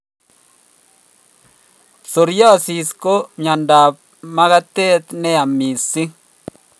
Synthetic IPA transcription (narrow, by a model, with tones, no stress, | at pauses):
so˨ɾjɔ˦si˨sko˦mja˨nda˨p̚ | ma˦ka˦t̪e˦t̪nɛ˦a˨mi˨si˦